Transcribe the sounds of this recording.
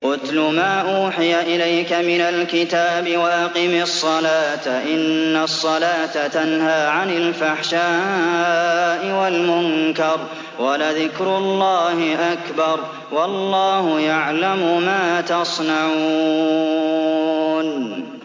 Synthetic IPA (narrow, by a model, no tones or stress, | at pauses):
qʊt̪lʊmaːʔuːħɪjaʔɪlajkamɪnalkɪt̪aːbɪwaʔaqimɪsˤːɑlaːt̪aʔɪnːasˤːɑlaːt̪at̪anhaːʕanɪlfaħʃaː | ʔɪwalmʊnkɑɾˤ | walaðɪkɾʊlˤːɑːhɪʔakbɑɾˤ | wɑlˤːɑːhʊjaʕlamʊmaːt̪ɑsˤnaʕu | n